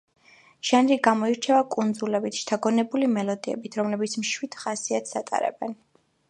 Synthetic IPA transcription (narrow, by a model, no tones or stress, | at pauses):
ʒ̥anɾiɡamɔiɾt͡ʃʰɛvakʼund̪zulɛbit̪ʰʃt̪ʰaɡɔnɛbulimɛlɔd̪iɛ̰bit̪ʰɾɔmlɛbit̪sʰmʃwid̪̥χasiat̪ʰsat̪ʼa̰ɾɛ̰bɛn